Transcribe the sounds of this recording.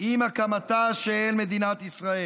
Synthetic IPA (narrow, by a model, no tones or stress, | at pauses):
imakamat̪aʃeenmed̪inat̪isʁae